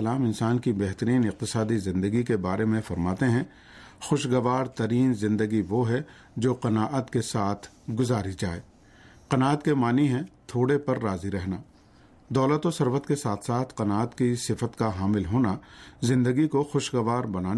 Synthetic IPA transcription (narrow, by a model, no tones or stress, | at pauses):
laːmɪ̃nsaːnkibɛɦt̪əɾiːnɪq̚t̪ɪsaːd̪izɪ̃nd̪əɡikebaːɾemẽfɐɾmaːt̪eɦɛ̃ | xʊʃɡəʋaːɾt̪ɐɾiːnzɪ̃nd̪əɡiʋoɦɛ | d͡ʒoːqɐnaːʔət̪kesaːt̪ʰ | ɡʊzaːɾid͡ʒaːeː | qɐnaːət̪kemaːniɦɛ̃t̪ʰoːɽepɐɾːaːziɾɛɦnaː | d̪ɔːlət̪osɐɾʋət̪kesaːt̪ʰsaːt̪ʰqɐnaːət̪kisɪfət̪kaɦaːmɪlɦoːnazɪ̃nd̪əɡikoxʊʃɡɐʋaːɾbɐnaːn